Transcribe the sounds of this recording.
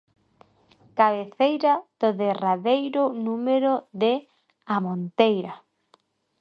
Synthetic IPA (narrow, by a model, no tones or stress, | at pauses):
kaβeθejɾað̥oðeraðejɾʊnumeɾoðe | amõnt̪ejɾa